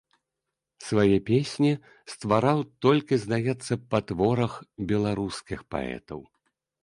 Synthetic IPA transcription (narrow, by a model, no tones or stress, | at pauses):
svajɛpʲesʲnʲi | st̪vaɾawt̪ɔlʲkʲizd̪ajɛt̪sːɐpat̪vɔɾɐxbʲɛlˠaɾuskʲixpa̰ɛ̰t̪ɐ̰w